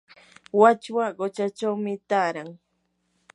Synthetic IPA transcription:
wat͡ʃwaɢot͡ʃat͡ʃawmɪt̪aːɾaŋ

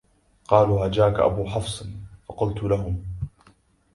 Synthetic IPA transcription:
qɑːluːhad͡ʒaːkaʔa̰buːħɑfsˤnfɑqʊlt̪ʊlaɦʊm

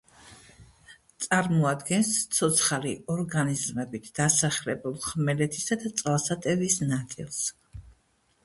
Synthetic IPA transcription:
t̪sʼaɾmɔad̪ɡɛnst̪sʰɔt̪sʰχaliɔɾɡanizmɛbit̪ʰd̪̥asaχlɛbulˠχmɛlɛt̪ʰisad̪at̪sʼlˠsat̪ʼɛvisnat̪sʼḭlˠs

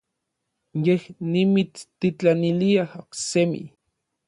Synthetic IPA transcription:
jehnimit͡st̪it͡ɬaniliahoksemḭ

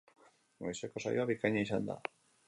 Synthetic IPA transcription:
ɡojseko̞sa̰joaβikaɲais̬and̪a̰

